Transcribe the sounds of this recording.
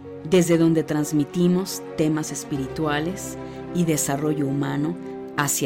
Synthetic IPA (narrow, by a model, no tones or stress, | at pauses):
d̪e̞zðe̞ðo̞nd̪e̞t̪ɾanzmit̪imo̞st̪e̞mase̞spiɾit̪wale̞s | iðe̞saro̞ʝo̞umano̞ | as